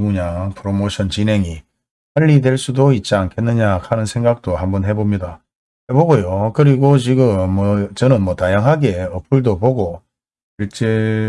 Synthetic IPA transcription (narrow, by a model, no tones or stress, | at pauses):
ɡuɲapʰɯɾomoɕʰʌnt͡ɕine̞ŋi | paʎːidweɭs͈udoit̚t͡ɕ͈iankʰenːɯɲakʰanɯnsʰe̞ŋɡak̚t͈ohambʌnɦe̞bomɲida | heboɡojokɯɾiɡot͡ɕiɡɯmːʌt͡ɕʌnɯnmwʌtajaŋɦaɡe̞ʌpʰuɭdoboɡo | iɭt͡ɕ͈e